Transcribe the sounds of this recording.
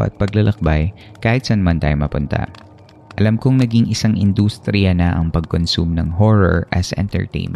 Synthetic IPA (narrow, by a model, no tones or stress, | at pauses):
ʔɐ̰t̪̚pɐɡlɐlʔɐk̚baj | kaːhɪt̪sɐnmant̪aːjomɐpʊnt̪ɐ̰ | ʔɐlamkoŋnɐɡɪŋʔɪsaŋʔɪnd̪ust̪ɾɪjɐnɐʔɐŋpɐɡ̚konsumnɐŋɦoɹoɹʔɐsʔɛ̰nt̪ɛ̰ɹt̪ɛ̰jnmɛ̰